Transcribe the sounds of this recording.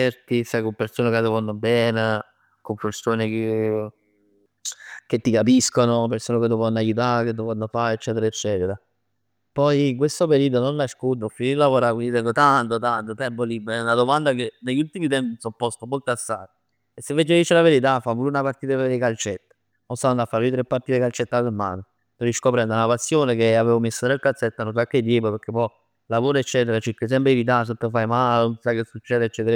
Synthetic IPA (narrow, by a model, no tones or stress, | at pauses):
ɛrt̪isajkompeɾsoːnekad̪ovonːobɛːne | kompersoːneke | k̟et̪ːikapiskonopersoːneked̪ovanːajut̪̬aɾked̪ovɔnːofaɾet͡ʃːɛːt̪eɾaet͡ʃːɛːt̪eɾa | pɔjk̬west̪opeɾiːd̪ononlaʃkut̪̬ofinilavoɾakwind̪it̪ɛŋɡot̪ant̪ot̪ant̪ot̪ɛmpolibːunad̪omand̪akeneʎːult̪imit̪̬ɛmpisɔpːɔst̪omolt̪asːaːt̪ | esːevːed͡ʒed̪it͡ʃelaveɾit̪̬afavulunapart̪iːt̪apeɾekalt͡ʃɛt̪ːḁ | nosannd̪afaɾoit̪ɾepːaɾt̪iːt̪ekalt͡ʃet̪ːad̪elma̰ːno | t̪oɾiskopɾɛnd̪anapasːjoːnekeaveːvomesːot̪ɾelkalt̪set̪ːanonsakːed̪ːjeːpopeɾk̟epɔj | lavoːɾoet͡ʃːɛːt̪eɾat͡ʃikːes̬ɛmpɾevit̪asot̪ːefajmalonsakːesut͡ʃːɛːd̪et͡ʃːɛːt̪eɾ